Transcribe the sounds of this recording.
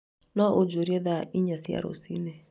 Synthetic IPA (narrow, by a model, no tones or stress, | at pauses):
nɔʔod͡ʒoɾjɛðaʔiɲasia̰ɾo̰sḭne